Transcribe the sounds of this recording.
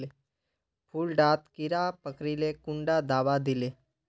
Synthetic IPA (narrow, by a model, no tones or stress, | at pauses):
e | pʰulɖaːt̪kɪɾapəkɾilekʊ̃ɳɖad̪aːʋad̪ɪle